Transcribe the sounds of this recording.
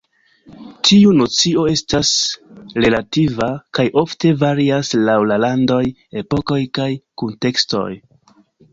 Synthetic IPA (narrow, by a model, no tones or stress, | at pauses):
tʰiuno̞t͡sio̞e̞stasɾe̞lativakajʔo̞fte̞vaɾiaslawlalando̞j | e̞po̞ko̞jkajkunte̞ksto̞̰j